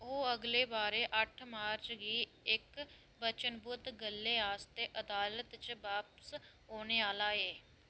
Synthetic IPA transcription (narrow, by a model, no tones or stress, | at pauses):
oːəɡleːbaːɾeːʔəʈʰmaːɾt͡ʃɡiːɪk | bət͡ʃənbʊd̪ɡəlːeːaːst̪eːʔəd̪aːlət̪t͡ʃʋaːpəs | oːneːaːlaːeː